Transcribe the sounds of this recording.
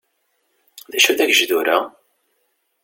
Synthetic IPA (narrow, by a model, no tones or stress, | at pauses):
ðæʃæðæʝʒðuɾæ